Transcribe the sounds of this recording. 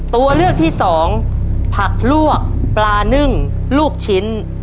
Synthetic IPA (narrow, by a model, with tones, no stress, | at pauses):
t̪u˧ɐlɯ˥˩ək̚t̪ʰiː˥˩sɔː˩˦ŋpʰa˨˩k̚lu˥˩ək̚plaː˧nɯ˥˩ŋ | luː˥˩k̚t͡ɕʰi˦˥n